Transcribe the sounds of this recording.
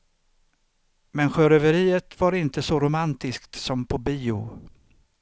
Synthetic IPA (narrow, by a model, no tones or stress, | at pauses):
mɛnɧœɾœvəɾiːət̪vaɾɪnt̪əsɔɾʊmant̪ɪskt̪sɔmpʰɔbiːʊ̰